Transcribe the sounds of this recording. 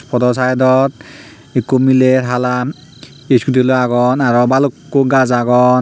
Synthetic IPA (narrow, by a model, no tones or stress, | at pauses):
pʰɔdɔsajdɔt̚ | ekumiletɦala | eskutiloaɡɔnaɹɔbalukːuɡazaɡɔn